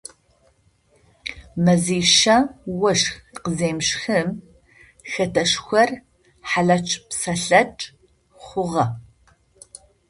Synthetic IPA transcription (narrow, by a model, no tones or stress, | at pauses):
mɐziːʃɐwɐʂxqəzeːmʃxɨm | xɐtʰɐʂxʷɐr | ħaɮɐt͡ʃʼpsɐɬɐʈ͡ʂʼ | χʷʊʁɐ